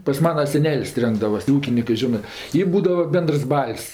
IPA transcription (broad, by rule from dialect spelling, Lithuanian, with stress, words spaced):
pɐs ˈmɑːnɐ sʲɛˈnʲɛlʲsʲ ˈrʲɛŋɡdɐʋɐs tʲeː ˈuːkʲɪnʲɪkɜ ˈʒʲɪnɜ ˈtʲiː ˈbuːdɐʋɐ ˈbʲɛndərs ˈbɐlʲsʲ